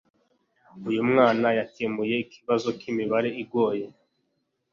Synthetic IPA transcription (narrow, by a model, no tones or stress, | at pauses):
ujumŋaːnajatemuje̞ikiβazo̞kimiβaɾe̞iɡwo̞ːje̞